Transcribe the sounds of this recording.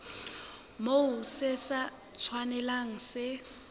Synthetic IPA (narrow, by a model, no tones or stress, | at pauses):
moʊsɪsa | t͡sʰwanɛlaŋ̩sɪ